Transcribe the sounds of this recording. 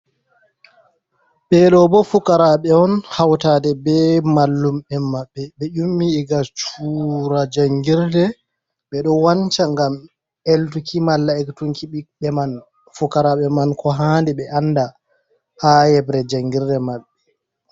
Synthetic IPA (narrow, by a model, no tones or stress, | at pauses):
ɓɛɗɔbɔfukaɾaɓɛɔnhawtaːdɛbɛmalːumɓɛmaɓːɛɓɛʔumːiːɡat͡ʃuɾad͡ʒaŋɡiɾdɛ | ɓɛɗɔwant͡ʃaŋɡam | ɛltukimalːaɛktuŋkiɓik̚ɓɛman | fukaɾaɓɛmankʰɔɦaːndɛɓɛʔanːda | hajɛbɾɛd͡ʒaŋɡiɾdɛmaɓːɛ